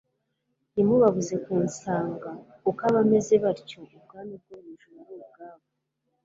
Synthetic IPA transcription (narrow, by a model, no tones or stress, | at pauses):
nimuβaβuze̞kuːnsaːŋɡa | ukaβame̞zeβaɾcoub̚ɡaːmib̚ɡuβuʒuɾubɡaːβo